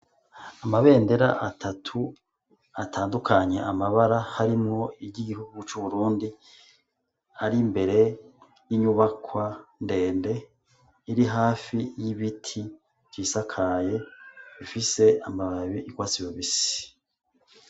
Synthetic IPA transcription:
amaβe̞ːnde̞ɾa̰ʔatʰatʰu | atʰaːndukʰaɲe̞̰ʔamaβaɾahaɾimŋo̞iɟiɟihuɡut͡ʃuβuɾuːndi | aɾimbe̞ɾe̞ | jiɲuβakwande̞ːnde̞ | iɾiɦaːfijiβitʰi | v̥iːsakʰaje̞βifise̞amaβaβiʔikwaːt͡sijoβisi̥

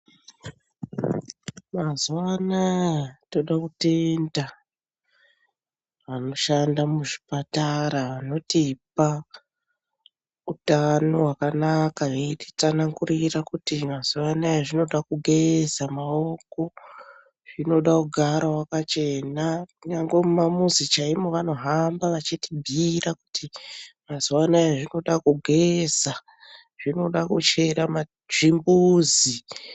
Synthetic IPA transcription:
mazuʋanajto̞ɗakute̞nda | ʋano̞ʃandamuʐi̥pataɾaʋano̞tipa | utano̞ɦwakanakaeti̥t͡sanaŋɡurirakutimaz̥uwanajaʐino̞ɗakuɡʱe̞zamaoko̞ | ʐ̥ino̞ɗakuɡʱaɾawakat͡ʃenakuɲaŋɡwemumamuzit͡ʃaimoʋano̞ɦambaʋat͡ʃitibʱiɾaku̥tʰimaziwanajaʐino̞ɗakuɡʱeza | ʐ̥ino̞ɗakut͡ʃe̞ɾama | ʐimbuzi

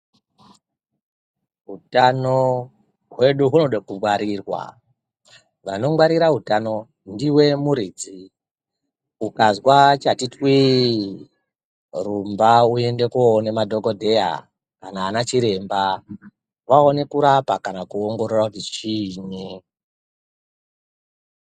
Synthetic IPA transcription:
ɦutano | ɦwe̞ɗuɦunoɗakumwaɾirwa̰ | ʋano̞mwaɾiɾaɦutano̞ | ndiwe̞muɾiːd͡zi | ukazwat͡ʃatitwi | rumbaue̞nde̞kuonemadʱo̞ɡodʱe̞ja̰ | kanaːnat͡ʃiɾe̞mba | waone̞kuɾapakanakuoŋɡo̞ɾorwavit͡ʃiːɲi

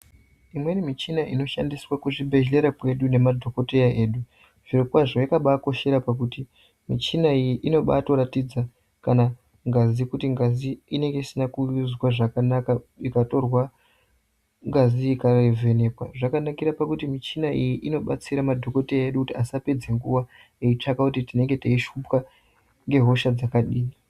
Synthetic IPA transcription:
imwe̞nimit͡ʃinaino̞ʃandiswakuʐibʱe̞ʒe̞ɾakwe̞ɗune̞madʱo̞ko̞tejae̞ːɗu | ʐ̥iɾokwaʐo̞jakaɓako̞ʃe̞ɾapakuti | mit͡ʃinaijiʔino̞ɓa̰to̞ɾatid͡za | kana | ŋɡazikutiŋɡaziine̞ŋɡe̞isinakuuzwaʐakanakaikato̞rwa | ŋɡaziikarvʱe̞ne̞pwaʐakanakiɾapakutimit͡ʃinaijiʔino̞ɓa̰t͡siɾamadʱo̞ko̞teeɗukutiasape̞d͡ze̞ŋɡuwa | eit͡ʂakakutitine̞ŋɡe̞taiʃupka | ŋɡe̞ɦo̞ʃad͡zakaɗiːi

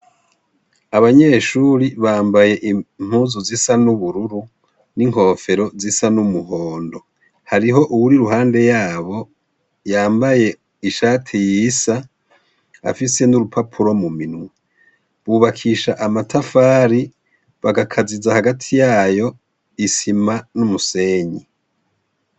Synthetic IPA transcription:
aβaɲe̞ːʃuːɾiβaːmbaje̞ʔim̥huːzuzisanuβuɾuɾu | niŋ̥ho̞ːfe̞ɾo̞zisanumuɦo̞ːndo̞ | haɾiɦo̞ʔuwuɾiɾuhaːnde̞jaːβo̞ | jaːmbaje̞ | iʃaːtʰijiːsa | a̰fise̞nuɾupʰapʰuɾo̞muminwe | βuβakʰiʃaʔamatʰafaːɾi | βaɡakʰazizahaɡatʰijaːjo̞ | isimanumuse̞ːɲi

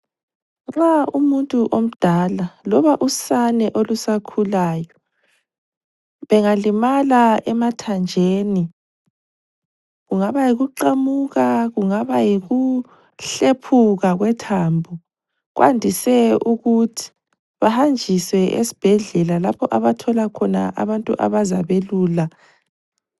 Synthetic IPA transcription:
ŋ͡ǁaumuntʼuʔom̩d̥ʱalalɔβaʔusanɛʔolusakʰulaːjɔ | βɛŋalimalaɛmatʰand͡ʒʱeːni | ɣuŋaβajiɣuǃamuɣaɣuŋaβajiɣu | ɬepʰuɣaɣwɛtʰaːmbʱu | ɣwʔa̰ndʱisɛuɣutʰi̥ | βahand͡ʒʱiswɛʔḛsi̥b̥ʱɛɮɛlalapʰɔʔaβatʰɔlakʰɔna̰ʔa̰βantʼuʔa̰βazaβeluːla

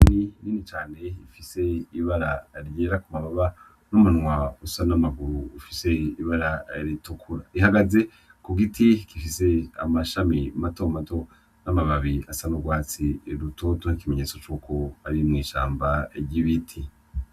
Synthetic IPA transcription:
niniːnit͡ʃaːne̞ifise̞iβaɾaɾjeːɾakumaβaβa | numun̥ŋwausanamaɡuɾuːfise̞iβaɾaɾitukʰuɾaihaɡaze̞ | kuɡitʰikifise̞a̰maʃamimato̞mato̞ | namaβaβiasanuɡwaːt͡siɾuto̞tonikime̞ɲe̞ːt͡so̞t͡ʃuːkʰo̞aɾimŋiːʃa̰ːmbaɟiβitʰi

